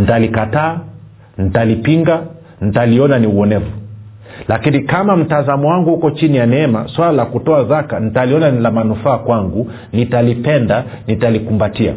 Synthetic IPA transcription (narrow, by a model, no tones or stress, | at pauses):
n̩talikataː | nitalipiŋɡa | n̩taliɔnaniuɔnɛvu | lakinikamam̩tazamɔwaŋɡuhukɔt͡ʃinijanɛɛma̰swalalakutɔazakanitaliɔnanilamanufaːkwaŋɡu | nitalipɛnda | nitalikumbatia̰